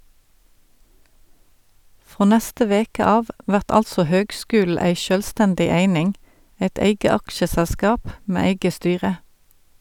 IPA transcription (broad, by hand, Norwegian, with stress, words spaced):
ˈfʁoː ˈnæstə ˈʋeːkə ˈɑːʋ ˈʔʋæʁt ˈɑlsɔ ˈhøːɡˌskʉːl̩ ˈæɪ ˈʃœlˌstændɪ ˈeɪnɪŋ ˈeɪt ˈeɪɡə ˈɑkʃəsælˌskɑːp ˈmeː ˈeɪɡə ˈstyːʁə